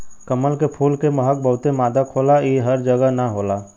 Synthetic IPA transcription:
kəməlkepʰuːlkeməɦək̚bəʊt̪emaːd̪akʰoːlaiɦəɾd͡ʒəɡənaɦoːlaː

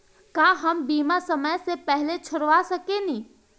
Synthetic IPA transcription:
kaːɦɐmbiːmasɐməjsepɛɦlet͡ʃʰʊɾʋasɐkenĩː

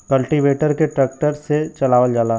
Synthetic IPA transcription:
kəlʈiʋeːʈəɾkeʈɾɛːk̚ʈəɾset͡ʃɐlaːʋəld͡ʒaːlaː

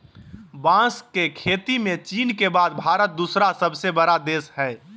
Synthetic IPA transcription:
bãːsekʰeːt̪imẽt͡ʃiːnkebaːd̪bʱaːɾət̪̚d̪uːsɾasəbsebəɾad̪eːsɦɛː

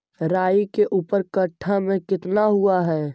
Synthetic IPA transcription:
ɾaːikeʔuːpəɾkəʈʰːamẽkɪt̪naɦuaɦɛː

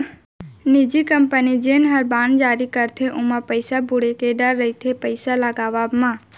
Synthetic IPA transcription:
nid͡ʒikəmpənid͡ʒeːnɦɐɾbaːnd͡ʒaːɾikəɾt̪ʰeʔʊ̃mãpəɪsabʊɽekeɖəɾːəɦit̪ʰepəɪsaləɡaːʋaːbmã

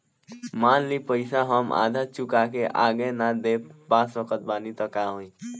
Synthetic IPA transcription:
maːnlipəɪsaɦəmʔa̰ːd̪ʱat͡ʃukakeʔaːɡenad̪ebaːsʋəkʰət̪̚baːnit̪əkaɦũĩ

